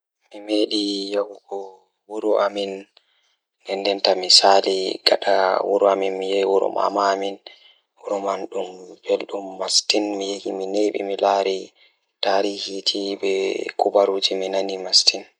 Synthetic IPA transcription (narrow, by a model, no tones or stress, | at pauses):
mimeːɗijahuɡɔ | wuɾuʔamin | ɡɛndɛntamisaːliɡa̰ɗawuɾuaminmijɛwuɾṵma̰mamin | wuɾumanɗumb̥elɗumːastinmijehimineɓḭmilaːɾi | taːɾiːhitʰibɛkubaɾuːd͡ʒiminanimastin